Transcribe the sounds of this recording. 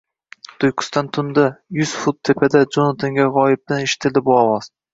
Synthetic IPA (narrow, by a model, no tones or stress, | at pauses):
t̪ʊjkʰʊ̥st̪ant̪ʰʊnd̪ajʊz̥fʊt̪̚ʰːepʰed̪ad͡ʒonat̪ʰɪŋɡʲaʁɒjɪb̚d̪aneʃɪ̥t̪ʰɪld̪ɪbʊɒwɒz̥